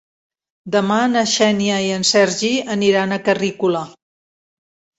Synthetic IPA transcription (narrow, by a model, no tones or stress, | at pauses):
d̪əmanəʃɛniəiənsɛɾʒiəniɾanəkərikulə